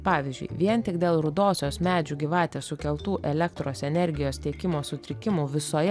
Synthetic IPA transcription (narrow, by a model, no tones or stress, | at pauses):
pɑːʋʲɪzʲd͡ʒʲʊ̰ɪʋʲiɛnt̪ʲɪkd̪ʲeːlˠɾʊd̪oːsʲoːsmʲæːd͡ʒʲuːɡʲɪʋɑːt̪ʲeːsʊkʲɛlˠt̪uːʔɛlʲɛkt̪ɾoːsɛnʲɛɾʲɡʲɪjoːst̪ʲiɛkʲɪmoːsʊt̪ʲɾʲɪkʲɪmuːʋʲɪsoːjɛ